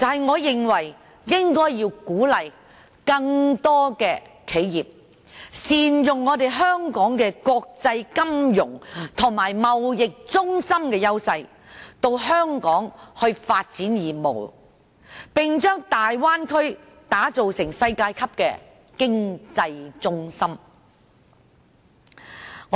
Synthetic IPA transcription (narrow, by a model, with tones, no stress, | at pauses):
t͡sɐ˨˩hɐ˨jŋɔː˨˧jɪ˨˩ŋwɐ˨˩j | jɪ˥ŋkɔː˥jːiː˧wkuː˨˥lɐ˨j | kɐ˧ŋt̪ɔː˥kɛː˧ | kʰe˨˥jjiː˨p̚ | siː˨˩njʊ˨ŋːɔː˨˧t̪e˨jɦœː˥ŋkɔː˨˥ŋkɛː˧kɔː˧k̚t͡sɐ˧jkɐ˥mjʊ˨˩ŋt̪ʰʊ˨˩ŋmaː˨˩jmɐ˨wjɪ˨k̚t͡sʊ˥ŋsɐ˥mkɛː˧jɐ˥wsɐ˧j | t̪o˧wɦœː˥ŋkɔː˨˥ŋhɵ˧ɥfaː˧t̚t͡siː˨˥njiː˨˩mo̰˨˩w | pɪ˨ŋt͡ʃœː˥ŋt̪aː˨jwaː˥nkʰɵ˥ɥ | t̪aː˨˥t͡so˨wsɪ˨˩ŋsɐ˧jkaː˧jkʰɐ˥p̚kɛ̰ː˧ | kɪ˥ŋt͡sɐ˧jt͡sʊ˥ŋsɐ˥m | ŋ